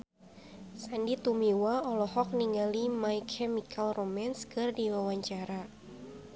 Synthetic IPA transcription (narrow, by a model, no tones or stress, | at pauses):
sandit̪umiwaɔlɔhɔk̚niŋalimajkʰɛmikʰalromɛnskɨrdiwawaɲt͡ʃaɾa